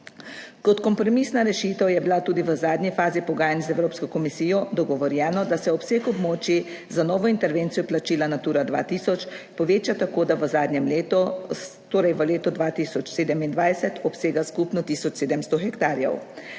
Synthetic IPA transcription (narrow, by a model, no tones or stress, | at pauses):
kɔt̪kɔmpɾɔmiːsnaɾɛʃit̪əwjɛbilat̪uːd̪iʋəzaːd̪nʲifaːzipɔɡaːjanzɛwɾoːpskɔkɔmisiːjɔd̪ɔɡɔʋɔɾjɛːnɔd̪asɛɔpseːkɔbmɔːt͡ʃi | zanɔːʋɔint̪ɛɾʋeːnt̪sijɔplat͡ʃiːlanat̪uːɾad̪ʋa̰ːt̪iːsɔt͡ʃpɔʋeːt͡ʃat̪akoːd̪aʋəzaːd̪nɛmleːt̪ɔ | t̪oːɾɛjʋəleːt̪ɔd̪ʋaːt̪iːsɔt͡ʃseːd̪ɛmind̪ʋajsɛt̪ɔpseːɡaskupnɔt̪iːsɔt͡ʃseːd̪ɛmst̪ɔxɛkt̪aːɾjɛ̰w